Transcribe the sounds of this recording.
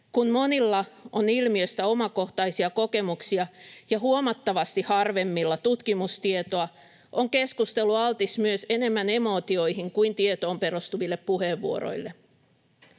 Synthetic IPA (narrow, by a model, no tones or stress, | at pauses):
kunmo̞nilːɑonilmiøst̪æo̞mɑko̞ht̪ɑjsiɑko̞ke̞muksiɑjɑɦuomɑt̪ːɑʋɑst̪ihɑrʋe̞mːilːɑt̪ut̪kimust̪iet̪oɑ | ʔoŋke̞skust̪e̞lːˑuɑlt̪ismyøse̞ne̞mːæne̞mo̞ːt̪io̞ihiŋkuint̪iet̪o̞ːmpe̞ɾust̪uʋilːeppuheːʋːuo̰ɾo̰ilːe